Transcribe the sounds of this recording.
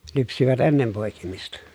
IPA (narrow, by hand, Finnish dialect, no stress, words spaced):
lypsiʋæt enːem poˑi̯kimistɑ